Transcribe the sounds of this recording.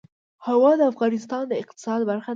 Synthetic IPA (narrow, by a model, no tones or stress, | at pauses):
hawɑd̪əafɣɑnɪst̪ɑnd̪əɪqt̪ɪ̥sɑd̪baɾxa